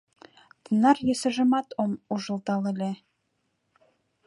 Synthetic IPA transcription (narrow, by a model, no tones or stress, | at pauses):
t̪ənɑrjĕsə̆ʒə̆mɑt̪omuʒə̆lt̪ɑlĕlʲe